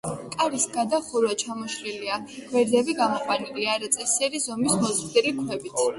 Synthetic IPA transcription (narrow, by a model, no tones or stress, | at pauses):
kʼaɾisɡad̪aχuɾwat͡ʃʰamɔʃliliaɡ̥wɛɾzɛbiɡamɔqʼwaniliaɾat̪sʼɛsɛɾizɔmismɔzχd̪ɛɾikʰwɛbit̪ʰ